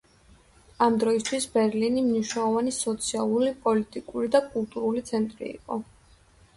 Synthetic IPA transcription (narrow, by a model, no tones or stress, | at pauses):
amd̪ɾɔist̪ʰwisbɛɾlinimniʃwnɛlˠɔvanisɔt̪sʰialˠulipʼɔlit̪ʼikʼuɾid̪akʼulˠt̪ʼuɾulit̪sʰɛnt̪ʼɾḭḭqʼɔ